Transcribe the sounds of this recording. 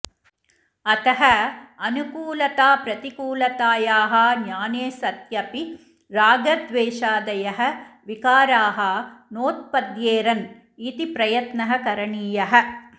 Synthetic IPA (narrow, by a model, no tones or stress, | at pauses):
ɐt̪ɐɦɐɐnukuːlɐt̪aːpɾɐt̪ikuːlɐt̪aːjaːɦɐːɲaːneːsɐt̪jɐpi | ɾaːɡɐd̪ʋeːʂaːd̪ɐjɐɦɐʋikaːɾaːɦɐnoːt̪̚pɐd̪jeːɾɐn | it̪ipɾɐjɐt̪nɐɦɐkɐɾɐɳiːjɐɦɐ